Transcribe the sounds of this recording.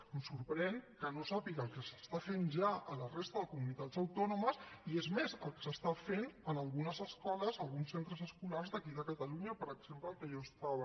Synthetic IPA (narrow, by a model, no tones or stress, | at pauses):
əmsuɾpɾɛnkənosapiɣəlˠkəsəst̪afenʒaələrest̪əðəkumunit̪ad͡zəwt̪ɔnuməsiezmezəlˠkə̥səst̪afenənəlˠɣunəzəskɔləzəlˠɣunsːent̪ɾəzəskularzðəkiðəkət̪əluɲəpəɾəɡz̥empləːlˠkəʒost̪aβə